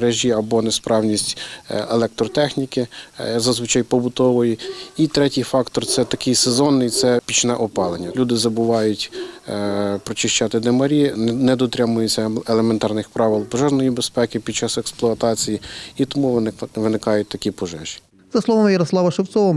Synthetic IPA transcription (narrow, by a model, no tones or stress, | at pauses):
ɾɛʒʲiɐbɔnespɾɑwnʲisʲtʲelˠɛk̚t̪ɾɔt̪ɛxnʲikɪzɐzʋɪt͡ʃɑjpɔbʊt̪ɔʋɔjiit̪ɾɛtʲijfɑkt̪ɔrt̪sɛt̪ɐkʲɪjsezɔnːɪjt̪sɛpʲit͡ʃnɛʔɔpɑlˠenʲːɐlʲud̪ɪzɐbʊʋɑjʊtʲ | pɾɔt͡ʃɪʃt͡ʃɑt̪ɪd̪emɐɾʲinɛd̪ɔt̪ɾʲamʊjʊt͡sʲːɐelˠement̪ɑrnɪxpɾɑʋɪlˠpɔʒɛʒnɔjibespɛkʲɪpʲid̪̚t͡ʃɑsɛksplˠɔɐt̪ɑt͡sʲijiit̪ɔmuʋɪnɪkɑjʊt̚ʲt̪ɐkʲipɔʒɛʒ̥ʲi̥ | z̥ɐslˠɔʋɔmjɐɾɔslˠɑʋɐʃew̪sɔʋɐ